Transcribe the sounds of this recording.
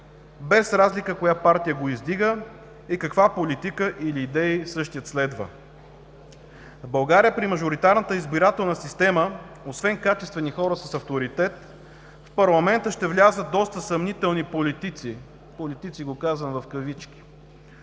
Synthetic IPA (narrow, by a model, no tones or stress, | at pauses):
bɛsɾazlikəkojapaɾt̪ijəɡoizd̪iɡə | ikɐkvapolit̪ikəʔiliːd̪ɛisɤʃt̪ijət̪slɛd̪və̰ | vbɐlˠɡaɾijəpɾimɐʒoɾit̪aɾnət̪əizbiɾat̪ɛlˠnəsist̪ɛmə | osvɛnkat͡ʃɛst̪vɛnixɔɾəsəsɐft̪oɾit̪ɛt̪ | fpɐɾlˠɐmɛnt̪əʃt̪ɛvlʲazət̪̚d̪ɔst̪əsɐmnit̪ɛlˠnipolit̪it̪si | polit̪it̪siɡokazvənvɐfkəvit͡ʃkʲi̥